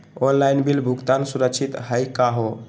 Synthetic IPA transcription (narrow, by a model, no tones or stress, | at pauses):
onlajnbilbʱukt̪ansuɾəkt͡ʃʰit̪ɦəjkaɦo